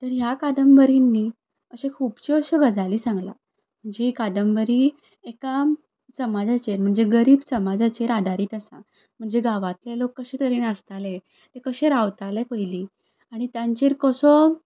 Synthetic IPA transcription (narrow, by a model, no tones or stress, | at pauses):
t̪əɾjakad̪əmbəɾinːi | əɕekʰuːpt͡ɕioɕəɡəd͡zaliːsãŋɡla̰ | m̤əɳd͡zeɦikad̪əmbəɾi | eka | səmad͡zat͡ɕeɾm̤əɳd͡zeɡəɾiːbsəmad͡zat͡ɕeɾad̪ʱaɾiːt̪əsa | m̤əɳd͡zeɡaʋat̪lelokːəɕẽt̪əɾiːnəst̪ale | t̪ekəɕẽɾaʋt̪alepəjliː | aɽ̃it̪jãɲt͡ɕeɾkəsɔ